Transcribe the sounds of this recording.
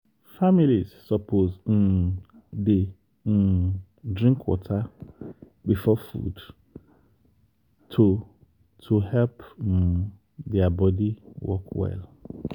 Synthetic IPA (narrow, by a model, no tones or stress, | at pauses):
familizsɔpʰozĩn | de | dɹĩŋkʰwɔ̰tʰa | bifɔfṵd | tʰu | tʰuhɛlp | d̪ɛabɔdiwɔkʰwɛ̰l